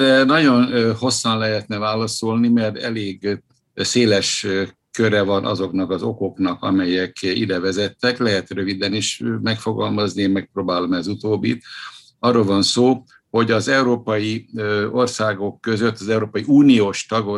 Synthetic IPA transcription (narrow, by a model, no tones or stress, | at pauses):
rɛnɒɟo̞nho̞sːɒnlɛɦɛt̪nɛvaːlɒsolnimɛrt̪ɛleːɡ | seːlɛʃ | køɾɛvɒnʔɒ̰zo̞knɒkɒzo̞ko̞knɒkɒ̰mɛjɛkḭd̪ɛvɛzɛt̪ːɛklɛɦɛt̪rø̞vid̪ɛniʃmɛkfo̞ɡɒlmɒzniemmɛk̚proːbaːlo̞mɛzut̪oːbːḭt̪ | ɒrːoːlvɒnsoː | ho̞ɟɒzɛuɾoːpɒjio̞rsaːɡokːøzøt̪ːɒzɛuɾoːpɒjiuːnijoːʃt̪ɒɡo